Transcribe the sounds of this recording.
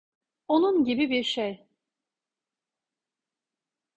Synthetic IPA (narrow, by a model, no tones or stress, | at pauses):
onunɟibibiɾʃej